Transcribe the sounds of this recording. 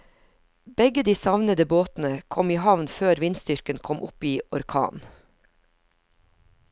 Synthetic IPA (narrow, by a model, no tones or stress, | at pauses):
b̥ɛɡəd̪iːsɑʋnəd̪əboːt̪n̩əkʰɔmiːhɑʋnføːɾʋɪnst̪ʏɾkənkʰɔmʔʊpiːɔɾkʰɑ̰ːn